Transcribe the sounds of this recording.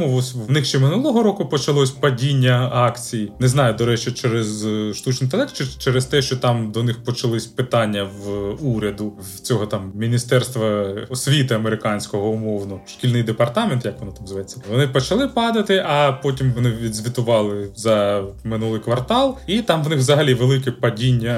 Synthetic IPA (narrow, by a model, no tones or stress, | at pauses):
ʊɔsʲnɪxʃt͡ʃɛmɪnulˠɔɦɔɾɔkʊpɔt͡ʃɐlˠɔsʲpɐdʲinʲːɐɑkt͡sʲijinɛznɑjʊd̪ɔɾɛt͡ʃt͡ʃɪt͡ʃɛɾɛzʃt̪ut͡ʃnɪjt̪ɐlˠɛkt̪t͡ʃt͡ʃɛɾɛst̪ɛʃt͡ʃɔt̪ɑmd̪ɔnɪxpɔt͡ʃɐlˠɪsʲpɪt̪ɑnʲːɐʋuɾʲɐd̪ʊ | t͡sʲɔɦɔt̪ɑmmʲinʲist̪ɛrst̪ʋɐɔsʲʋʲit̪ɪɐmeɾɪkɑnʲsʲkɔɦɔʊmɔwnʊʃkʲilʲnɪjd̪epɐrt̪ɑment̪jɐkʋɔnɔt̪ɑmzʋɐjet͡sʲːɐʋɔnɪpɔt͡ʃɐlˠɪpɑd̪ɐt̪ɪʔɐpɔt̬ʲimʋɔnɪʋʋʲid̪zʲʋʲit̪ʊʋɑlˠɪzɐmɪnulˠɪjkʋɐrt̪ɑlˠit̪ɑmʋnɪxʋzɐɦɐlʲiʋelˠɪkɛpɐdʲinʲːɐ